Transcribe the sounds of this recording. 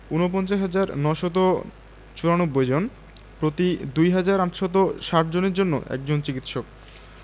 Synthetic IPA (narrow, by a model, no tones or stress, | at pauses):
unop̬ɔnt͡ɕaɦad͡ʑaɾnɔʃot̪̬o | t͡ɕuɾanobːojd͡ʑon | pɾot̪id̪ujɦad͡ʑaɾaʈʃɔt̪̬oʃaʈd͡ʑoneɾd͡ʑonːo̰ʔɛ̰k̚d͡ʑont͡ɕikit̪ʃok̚